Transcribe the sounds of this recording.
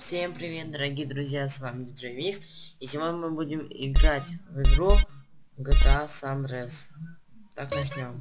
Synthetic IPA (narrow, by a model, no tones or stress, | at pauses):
fsʲempɾʲɪvʲe̞t̪̚d̪əɾɐɡʲijəd̪ɾʊzʲjasvamʲɪdʲɪd̪ʐɨvʲist̪isʲɪvolʲmɨbudʲɪmɪ̰ɡɾatʲvɪɡɾuk | ɡət̪asand̪ɾest̪aknɐt͡ɕnʲo̞m